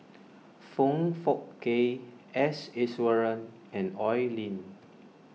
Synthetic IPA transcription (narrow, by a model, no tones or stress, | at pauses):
fõŋfɔk̚ke | ɛsɛswəɹə̃n | ɛ̃nɔjlĩn